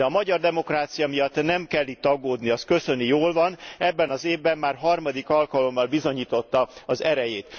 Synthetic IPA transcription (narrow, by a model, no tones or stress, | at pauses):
d̪ɛɒmɒɟɒrd̪ɛmo̞kraːt̪sijɒmijɒt̪ːnɛmkɛlːiːt̪ːɒɡːoːd̪niɒskø̞sø̞nijoːlvɒnɛbːɛnɒzeːvbɛmːaːrɦɒrmɒd̪ikɒlkɒlo̞mːɒlbizo̞ɲiːt̪o̞t̪ːɒɒzɛɾɛjeːt̪